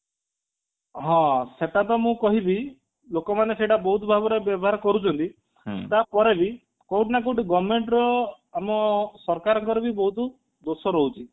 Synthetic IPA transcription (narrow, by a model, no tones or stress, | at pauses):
ɦɔ̃set̪at̪ɔmũkɔɦibi | lokɔmaneseʈabɔɦut̪bʱabɔɾebjɔbɔɦaɾkɔɾut͡ʃʰɔnt̪i | t̪apɔɾebi | kowʈnakoʈiɡɔbmeɳʈɾɔ | amɔsɔɾkaɾɔŋkɔɾɔbibɔɦut̪ | d̪osɔɾɔɦut͡ʃʰi